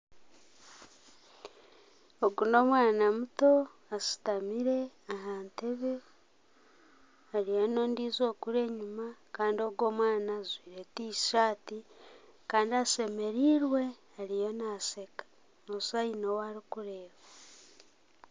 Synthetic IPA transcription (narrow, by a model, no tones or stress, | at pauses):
oɡuno̞ːmwaːnamuto̞ | asi̥tamiɾe̞aɦaːnte̞βe̞ | aɾijano̞ːndiːzo̞ːkuɾe̞ːɲumakaːndio̞ɡo̞ːmwaːnazwiːɾetisi̥ʃaːtikaːndiase̞me̞ɾiːɾwe̞ | aɾijo̞nase̞kḁ | osainowaɾikuɾe̞ːβa